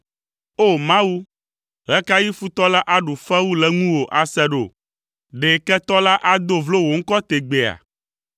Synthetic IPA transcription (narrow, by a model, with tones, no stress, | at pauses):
o˦˨mã˦wu˦ | ɦɛ˦ka˦ji˦fu˦t̪ɔ˦la˦ʔa˦ɖu˨fɛ˦wu˦lɛ˨ŋũ˦wo˨ʔa˨sɛ˦ɖo̰˨ | ɖe˨kɛ˦t̪ɔ˦la˦ʔa˦d̪o˦vlo˦wo˨ŋ̩˦kɔ˦t̪e˨ɡ͡be˨a̰˨